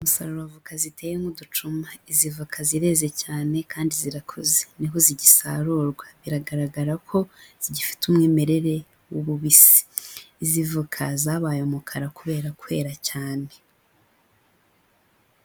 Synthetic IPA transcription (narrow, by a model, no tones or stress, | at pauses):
umusaɾoɾavukazitʰe̞ːjemudut͡ʃumaizivukʰaziɾe̞ːze̞caːne̞kaːndiziɾakʰozeniɦoziɟisaɾuːɾɡwaβiɾaɡaɾaɡaɾakʰo̞z̥iɟifi̥tumŋeːme̞ɾe̞ɾe̞ | wuβuβisi̥ːzivukʰazaːβaːjomukʰaɾakuβe̞ːɾakuβe̞ːɾacaːne